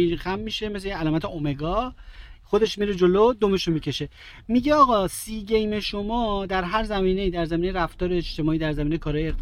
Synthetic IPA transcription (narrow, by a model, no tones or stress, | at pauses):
xæmːiʃe̞mes̬leælɒːmæt̪ʰeome̞ɡɒːxod̪e̞ʃmiɾed͡ʒo̞lod̪ome̞ʃomiːcʰe̞ʃe̞ | miɟeɒːɣɒːsiːɟe̞jme̞ʃo̞mɒːd̪æɾɦæɾzæmiːne̞iːd̪æɾzæmiːnejɾæft̪ɒːɾe̞ːʃt̪e̞mɒːiːd̪æɾzæmiːnejkʰɒɾɒːjee